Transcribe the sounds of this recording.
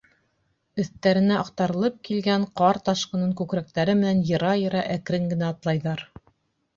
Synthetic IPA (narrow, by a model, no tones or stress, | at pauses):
ɵ̆θt̪æɾɘ̆næɑq̚t̪ɑɾɤ̆lˠɤp̚kilɡæɴqɑɾt̪ɑʃqɤ̆nɤŋkʉkɾæk̚t̪æɾɘmɘ̆nænjɤ̆ɾɑjɤ̆ɾɑʔækɾɘŋɡɘ̆næːt̪lˠɑjðɑɾ